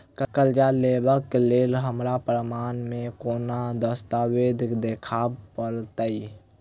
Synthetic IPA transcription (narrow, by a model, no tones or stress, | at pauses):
kəkəld͡ʒalebəkːelelɦəmɾapɾəmaːnmekonad̪əst̪awed̪ʱkd̪ekʰabpəɾt̪əi